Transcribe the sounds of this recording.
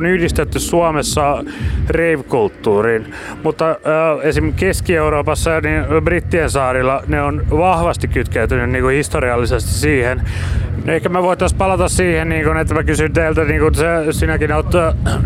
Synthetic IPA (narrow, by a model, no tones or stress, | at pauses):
nyhdist̪et̪ːyssuɑmesːɑreiʋkult̪ːuːriːn | mut̪ːɑesimkeskieuɾoːpɑsːɑjɑninbrit̪ːiensɑːrilːɑneonʋɑhʋɑst̪ikkyt̪kæyt̪ynynniːŋkuhist̪oriɑlːisest̪i̥ssiːhennehkæmæʋoit̪ːˑɑspɑlɑt̪ɑssiːhenniːŋkonet̪ːæmækysynt̪eilt̪æniːŋkunsesiːnækinot̪